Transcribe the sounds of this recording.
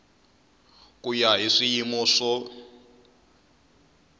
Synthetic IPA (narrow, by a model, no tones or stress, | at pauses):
kʼujaɦiʂijimɔʂɔ